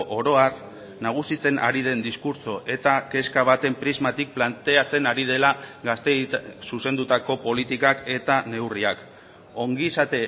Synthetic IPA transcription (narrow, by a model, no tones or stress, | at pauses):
ʔoɾo̞ar | naɣ̞usit͡se̞nʔa̰ɾið̞e̞nd̪iskuɾso̞ʔe̞t̪ake̞skaβ̞at̪e̞mpɾizmat̪ik̚plant̪e̞at͡se̞naɾið̞e̞laɡast̪esuse̞nd̪ut̪ako̞po̞lit̪ikake̞t̪ane̞wriak | o̞ŋɡisat̪e̞